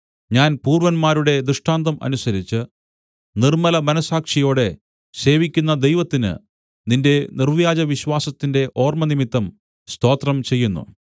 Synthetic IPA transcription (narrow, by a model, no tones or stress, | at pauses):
ɲaːnpuːrʋɐnmaːɾuɽe̞d̪rɨʂʈaːnd̪ɐmɐ̰nusɐɾit͡ɕːɨ | nirmɐlɐmɐnɐsaːkʂɐjo̞ːɽe̞ | se̞ːʋikʲːunːɐd̪e̞jʋɐt̪ːinɨ̰ | ninde̞nirʋjaːd͡ʑɐʋiɕʋaːsɐt̪ːinde̞ʔo̞ːrmɐnimit̪ːɐm | st̪o̞ːt̪rɐmt͡ɕe̞jːunːṵ